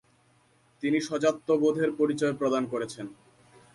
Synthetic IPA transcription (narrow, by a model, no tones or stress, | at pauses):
t̪iniʃɔd͡ʑat̪ːobod̪ʱeɾpoɾit͡ɕɔepɾod̪ankoɾet͡ɕʰen